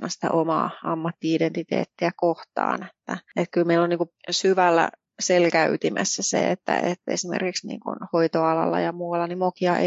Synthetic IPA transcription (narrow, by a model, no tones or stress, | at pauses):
nɑsi̥t̪æ̰ʔomɑ̰ːɑmːɑt̪ːiident̪it̪ḛːt̪ːiækoht̪ɑ̰ːnet̪ːæet̪kylmeilːoniːŋkusyʋælːæ̰ | selkæyt̪imʔæ̰sːæsḛet̪ːæ̰ḛt̪ːḛsimḛrkiksnḭːŋkṵnhoit̪oɑlɑlːɑ̰jɑmuːɑlːɑnimokiɑʔe